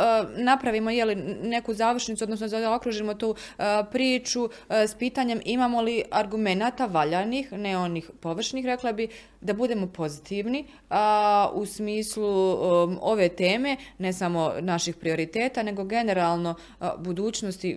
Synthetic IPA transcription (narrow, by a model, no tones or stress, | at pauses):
napɾaʋiːmo̞jeline̞kuzaːʋr̩ʃnit̪suod̪nosnozad̪ao̞kɾuːʒimo̞t̪uːpɾiːt͡ʃu | spiːt̪aːɲe̞mimaːmo̞liaɾɡume̞naːt̪aʋaʎanixneo̞niːxpo̞ʋr̩ʃniːxɾe̞klˠabi | d̪abud̪e̞ːmo̞po̞zit̪iʋni | usmiːslu | o̞ʋe̞t̪e̞ːme̞ne̞samo̞naʃixpɾio̞ɾit̪e̞ːt̪ane̞ɡo̞ɡe̞ne̞ɾaːlˠno̞ | bud̪uːt͡ɕno̞st̪i